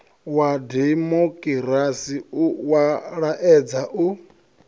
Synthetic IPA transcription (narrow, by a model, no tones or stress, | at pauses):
wadɛmokʼiɾasiuwaɺaʔɛd͡zaʔu